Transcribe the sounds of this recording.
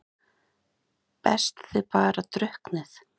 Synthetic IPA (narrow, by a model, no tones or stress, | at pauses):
pɛ̰st̪θɪpaːɾat̪ɾœhknɪθ